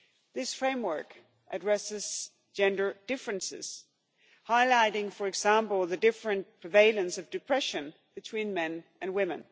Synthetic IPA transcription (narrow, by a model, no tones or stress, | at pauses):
ðɪsfɹẽɪ̃mwɜ˞k | ʔɨdɹɛsɨz̥ | d͡ʒɛ̃ndə˞d̥ɪfɹɨ̃nsɪ̰z̥ | haɪlaɪɾɪ̃ŋfə˞ɨɡzæ̃mpl̩ˠðɨdɪfɹɨ̃npʰɹ̥ɨveɪlˠɨ̃nsʌvdɨpʰɹ̥ɛʃɨ̃n | b̥ɨtʰw̥ĩnmɛ̃nɨ̃nwɪ̃mɨ̰̃n